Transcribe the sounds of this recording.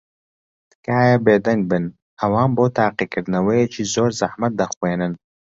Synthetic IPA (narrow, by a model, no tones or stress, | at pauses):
t̪kaːjɐbeːd̪ɐŋɡ̚bɨn | ɐwaːnboːt̪ʰaːqiːkɨɾd̪nɐwɐjet͡ʃʰiːzoːɾzɐħmɐt̪̚d̪ɐxweːnɨn